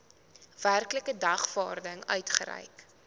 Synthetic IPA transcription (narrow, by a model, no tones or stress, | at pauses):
værkləkədɐχvɑːrdəŋœ̰ɥtχə̰ɾɛ̰jk